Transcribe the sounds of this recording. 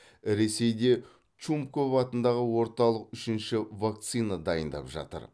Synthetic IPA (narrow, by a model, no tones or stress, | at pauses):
ɾe̞se̞jd̪e̞ | t͡ʃumpkʰopɑt̪ənd̪ɑʁəwo̞ɾt̪ɑlˠəqʏʃɪnʃɪvak̚t̪sijnad̪ɑjənd̪ɑ̰pʒɑ̰t̪ə̰ɾ